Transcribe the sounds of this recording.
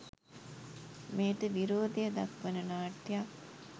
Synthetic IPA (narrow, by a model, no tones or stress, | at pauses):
meːʈəʋiɾoːd̪ejɐd̪ɐkʋɐnənaːʈːja